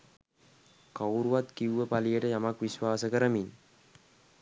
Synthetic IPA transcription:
kawɾuwat̪̚kiwːəpalijəʈəjamakʋiswaːsəkəɾəmin

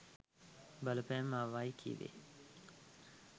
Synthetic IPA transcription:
bələpɛːmːaːʋaːjikʰḭːʋḛː

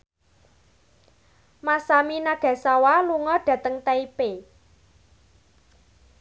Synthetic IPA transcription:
masaminaɡ̥a̤sawaluŋɔɖ̥ä̤t̪əŋt̪aipe

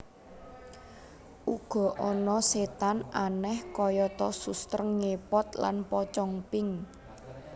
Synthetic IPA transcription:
ʔuɡ̥ɔ̤ʔɔnɔset̪ananɛhkɔjɔt̪ɔsust̪ɾəŋːepɔt̪la̰npɔt͡ʃɔŋpɪŋ

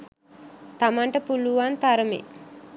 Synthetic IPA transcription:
t̪amaɳʈəpuluʋant̪aɾəmḛ

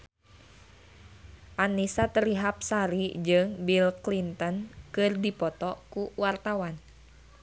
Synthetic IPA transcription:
ʔanisat̪əɾiɦap̚saɾid͡ʒɨŋbilklint̪ənkɨrdipɔt̪ɔkuwart̪awan

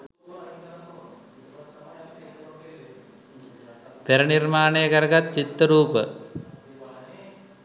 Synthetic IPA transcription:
p̪eɾənirmaːnejəkəɾəɡat̪̚t͡ʃit̪ːəɾuːpə

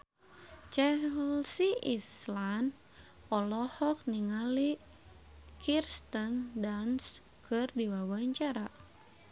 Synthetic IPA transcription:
t͡ʃɛlsiʔislan | ɔlɔhɔk̚niŋali | kʰirst̪ɔndans | kʰɨrdiwawaɲt͡ʃaɾa

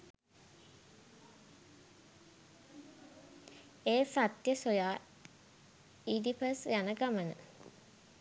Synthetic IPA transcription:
eːfat̪jəsojaː | id̪ipəsjænəɡamənə̰

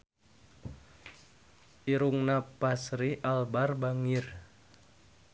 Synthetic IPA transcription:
ʔiɾuŋnapasɾiʔalbarbaŋir

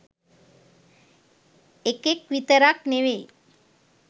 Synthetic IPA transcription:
ekekʋit̪əɾakneʋe

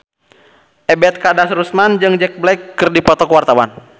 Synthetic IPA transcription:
ʔɛbɛt̪̚kadasɾusmand͡ʒɨŋd͡ʒɛk̚blɛjkːɨrdipɔt̪ɔkwart̪awan

